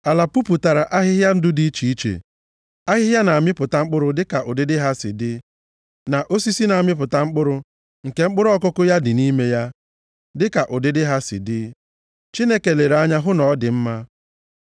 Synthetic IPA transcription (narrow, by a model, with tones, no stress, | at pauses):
a˨la˨pu˦pu˨ta˨ɾa˨ʔa˦ɦɪ˦ɦja˦n̩˦dʊ˦di˦i˦t͡ʃi˨i˦t͡ʃḛ˨ | a˦ɦɪ˦ɦja˦na˨a˨mɪ˦pʊ˨ta˦ŋ͡m̩˦k͡pʊ˦ɾʊ˦dɪ˦ka˨ʔʊ˨dɪ˦dɪ˦ɦa˦sɪ̰˨dɪ˦ | na˨ʔo˦si˦si˦na˨a˨mɪ˦p̬ʊ˨ta˦ŋ͡m̩˦k͡pʊ˦ɾʊ˦ | ŋ̩˨ke˦ŋ͡m̩˦k͡pʊ˦ɾʊ˦ɔ˦kʊ˦kʊ˦ja˦dɪ˨ni˦me˦ja˦ | dɪ˦ka˨ʔʊ˨dɪ˦dɪ˦ɦa˦sɪ̰˨dɪ˦ | t͡ʃi˦ne˦ke˨le˨ɾa˦ɲa˦ɦʊ˦nɔ˨˦dɪ˨m̩˦ma˦